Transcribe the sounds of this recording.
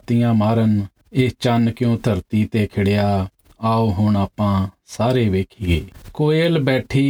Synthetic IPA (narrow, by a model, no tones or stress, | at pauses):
t̪ɪjãːmaːɾən | eːt͡ʃankjõːt̪ʰəɾt̪iːt̪eːkʰɪɽejaː | aːoːɦʊɳaːpãːsaːɾeːʋeːkʰiːɡeːkoːeːlbɛːʈʰiː